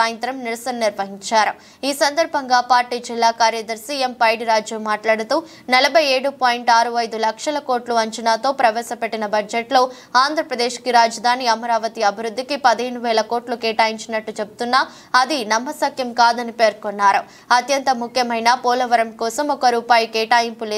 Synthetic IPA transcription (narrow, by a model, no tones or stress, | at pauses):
aːjɐnt̪ɾɐmniɾɐsɐnɐniɾʋɐɦiɲt͡ʃaːɾu | iːsɐnd̪ɐɾbʱɐŋɡaːpaːɾʈiːd͡ʒilːaːkaːɾjɐd̪ɐɾsiːempɐjɖiɾaːd͡ʒjɐmːaːʈlaːɽut̪uː | nɐlɐbʱɐje̞ːɽupoːjiɳʈaːɾuɐjd̪ulɐkʂɐlɐko̞ːʈluɐɲt͡ʃinaːt̪o̞ːpɾɐʋɛːsɐpeʈːinɐbɐd͡ʒeʈlo̞ː | aːnd̪ʱɾɐpɾɐd̪e̞ːʃkiɾaːd͡ʒɐd̪ʱaːniɐmɐɾaːʋɐt̪iɐbʱiɾud̪ʱːikipɐd̪ɐɦeɳuʋɛːlɐko̞ːʈlukɛːʈaːjiɲt͡ʃinɐʈːut͡ʃebut̪unːaː | ɐd̪inɐmːɐsɐkjɐmkaːd̪ɐnipe̞ːɾkonːaːɾu | ɐt̪jɐnt̪ɐmukʰjɐmɐjnaːpoːlɐʋɐɾɐmkɔːsɐmɔkɐɾuːpaːjɐkɛːʈaːjimpuleː